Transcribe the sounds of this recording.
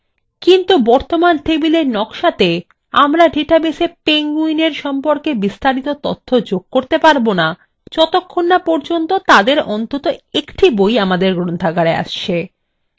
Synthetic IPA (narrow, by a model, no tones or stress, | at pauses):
kint̪ubɔɾt̪omant̪ebileɾnɔkʃat̪e | amɾaɖʱiʈabesepeŋɡuineɾʃɔmpoɾkebist̪aɾit̪ot̪o̰t̪ʰːod͡ʑoɡ̚koɾt̪epaɾbona | t͡ɕɔt̪okʰːonːapɔɾd͡ʑont̪ot̪ad̪eɾɔnt̪ot̪oekʈibojamad̪eɾɡɾont̪ʰakaɾea̰ʃt͡ɕʰe